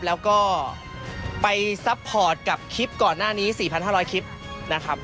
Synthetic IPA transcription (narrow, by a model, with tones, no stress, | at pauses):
p̚lɛː˦˥wkɔː˥˩ | pa˧jsa˦˥pʰːɔː˨˩t̪̚ka˨˩p̚kʰi˦˥p̚kɔː˨˩nːaː˥˩niː˦˥siː˨˩pʰa˧nɦaː˥˩ɾɔː˦˥jkʰi˦˥p̚ | na˦˥kʰɾa˦˥p̚